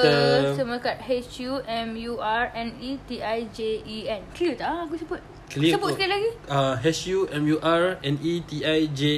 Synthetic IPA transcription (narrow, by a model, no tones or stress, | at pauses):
əsəmakat̪̚hɛt͡ʃjuʔɛ̃mjuʔaɹɛ̃nit̪iʔajd͡ʒeiɛ̃nklit̪aak̬usəbʊt̪̚ | kliəbʊt̪səkit̪̚laɡiaɦɛt͡ʃjuɛ̃mjuʔaɹɛ̃nit̪iajd͡ʒe